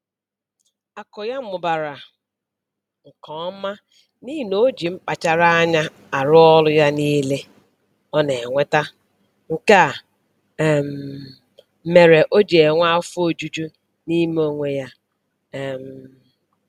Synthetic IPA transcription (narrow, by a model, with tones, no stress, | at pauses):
a˨kɔ˨ja˦m̩˦mʊ˨ba˨ɾa˨ | ŋ̩˨kɔ˨˦ma˦ | ni˦˨no˦d͡ʒi˨m̩˦k͡pa˨t͡ʃa˦ɾa˦a˦ɲa˦ | a˨ɾʊ˦ɔ˦lʊ˦ja˦niː˦le˦ | ɔ˦ne˨ŋʷe˦ta˦ | ŋ̩˨ka˦˨ | m̩˨ | me˨ɾe˨ʔo˦d͡ʒe˨e˨ŋʷa˦fo˦˨d͡ʒu˦d͡ʒu˦ | ni˦m˦o˦ŋʷe˨ja˦˨ | m̩˨